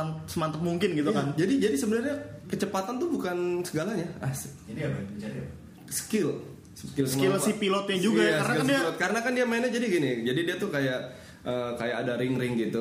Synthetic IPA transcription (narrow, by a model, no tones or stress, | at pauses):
ansəmant̪ək̚muŋkɪnɡit̪ujakand͡ʒadid͡ʒadisəbənarɲakət͡ʃəpat̪ant̪ubukansəɡalaɲaas | adiad͡ʒa | sə̥kɪl | skɪlsəmkɪlsipilɔt̪̚jaŋd͡ʒuɡaaaɾaɪlaalɔt̪̚kaɾənakandiamenəd͡ʒadiɡinɪd͡ʒadidiat̪ukajaʔ | ʔəkajakadaɾɪŋrɪŋɡit̪u